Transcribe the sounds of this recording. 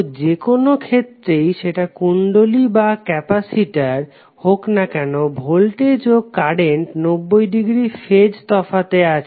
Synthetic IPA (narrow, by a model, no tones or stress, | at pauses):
d͡ʑekonokʰet̪ːɾejʃeʈakuɳɖolibakɛpasiʈaɾ | hoknakɛnobʱolʈed͡ʑoɡ̚kaɽeɳʈnobːojɖiɡɾifed͡ʑt̪ɔfat̪eat͡ɕʰ